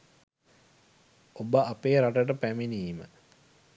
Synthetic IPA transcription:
obəʔapeːɾaʈəʈ̬əpæminiːmə̰

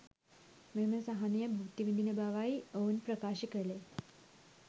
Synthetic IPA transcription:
meməsaɦanjəbʱɐʋt̪iʋind̪inəbaʋaiəwnpɾəkaɕikəle

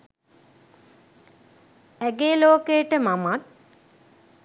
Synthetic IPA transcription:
æɡeːloːkejəʈəmamat̪̚

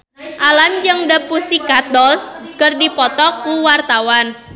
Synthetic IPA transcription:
ʔalamd͡ʒəŋdəpusikat̪̚dɔlskərdipɔt̪ɔkuwart̪awan

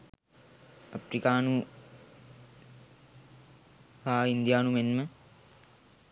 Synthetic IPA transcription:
ɐpɾikaːnu | ʋaːind̪jaːnumenmə

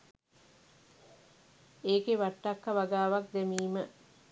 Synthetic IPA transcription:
eːkeʋaʈːakːaʋaɡaːʋak̚d̪emiːmə

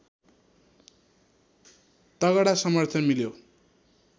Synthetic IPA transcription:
t̪ʌɣʌɽasʌmʌrt̪ʰʌnmiljo

